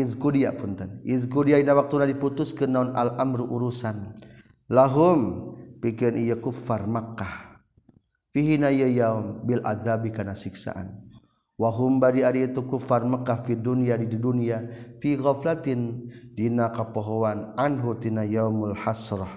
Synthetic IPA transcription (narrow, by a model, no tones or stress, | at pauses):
izkudiaʔpunt̪anʔizkudiaʔinawak̚t̪unadiput̪ʊskənːaunalʔamɾuʔuɾusan | laɦʊmpikɪɾanʔijəkufarmakːah | fiɦinajəjaumbilʔa̰ðabikanasiksa̰ʔa̰n | waɦʊmbadiaɾiːt̪ukufarmakːahfidunijadididunijafiɣaflat̪indinakapoɦoanʔanɦut̪inajawmalħasɾɑ